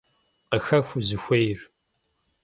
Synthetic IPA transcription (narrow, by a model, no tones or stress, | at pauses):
qəxɐxʷuzɨxʷejr